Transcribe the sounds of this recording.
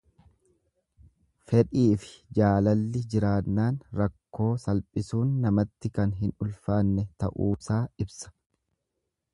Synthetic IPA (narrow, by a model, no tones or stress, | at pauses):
fɛᶑʼiːfɪ̥d͡ʒaːlɐlːɪd͡ʒɪɾaːnːaːnɾɐkːo̞ːsɐlpʼɪsuːnːɐmɐt̪ːɪkɐnɦɪnʊlfaːnːɛt̪ɐ̰ʔuːsaːɪbsɐ̥